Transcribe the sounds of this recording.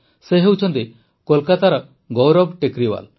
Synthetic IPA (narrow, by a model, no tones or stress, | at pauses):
seɦewt͡ʃʰɔnt̪i | kɔlkat̪aɾɔ | ɡɔwɾɔbʈekɾiba̰l